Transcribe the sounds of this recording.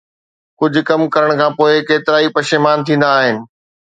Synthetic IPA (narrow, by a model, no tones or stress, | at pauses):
kʊd͡ʑʱʊ̆kɐmkɐɾəɽ̃kʰãːpoːɪkeːt̪ɪɾaːipɐʃemaːnt̪ʰĩːn̆d̪aːɦɪnɪ̆